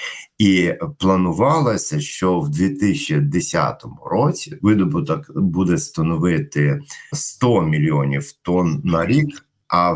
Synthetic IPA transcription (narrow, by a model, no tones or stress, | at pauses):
iplˠɐnʊʋɑlˠɐsʲɐʃt͡ʃɔwd̪ʲʋʲit̪ɪsʲt͡ʃid̪esʲa̰t̪ɔmʊ̰ɾɔt͡sʲiʋɪd̪ɔbʊt̪ɔkbud̪ɛst̪ɐnɔʋɪt̪ɪst̪ɔmʲilʲiɔnʲiwt̪ɔnːɐɾʲik | ʔɐ